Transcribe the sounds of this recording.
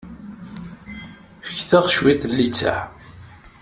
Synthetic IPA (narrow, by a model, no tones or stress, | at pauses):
fə̥çθəʁʃwit̪lːit͡sːa̰ʕ